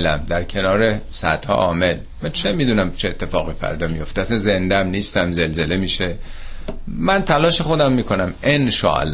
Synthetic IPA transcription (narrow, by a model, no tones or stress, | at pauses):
læmd̪æɾcʲʰe̞nɒːɾesæ̰d̪hɒ̰ʔɒːme̞l | mænt͡ʃʰemiːd̪uːnæmt͡ʃʰeet̪ʰːe̞fɒːɣiːfæ̰ɾd̪ɒːmijo̞ft̪eæsænze̞nd̪æmniːst̪æmze̞lze̞le̞miːʃe | mænt̪ʰælɒːʃe̞xo̞d̪æmːiːkʰo̞næme̞nʃɒ̰ːæ̰lː